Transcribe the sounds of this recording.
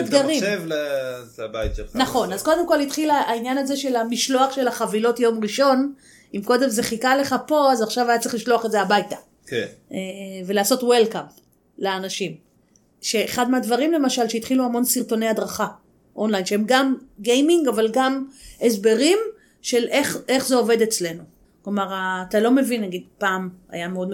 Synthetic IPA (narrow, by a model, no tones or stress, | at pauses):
ad̪ɡaʁimevl | lbajtʃelnaχo̞nazko̞d̪emko̞lit̪χilaainjanaze̞ʃe̞lamiʃlo̞aχʃe̞laχavilo̞tjo̞mʁiʃo̞n | imko̞d̪e̞mzeχikale̞χapo̞azaχʃavajatt͡si̥χliʃlo̞aχetzeabajtḁ | kenʔeve̞leːso̞twelkamp | leanaʃim | ʃe̞ːχad̪meadvaʁimle̞maʃalʃeit̪χiluamo̞nsiʁto̞neadʁaχa | ʔo̞nlajnʃehemɡamɡejmiŋɡavalɡamesbe̞ʁim | ʃe̞lʔe̞χe̞χzeo̞ve̞de̞t͡sle̞nu | klomaʁaːtalo̞me̞vinːaɡidpaːma̰jameo̞dm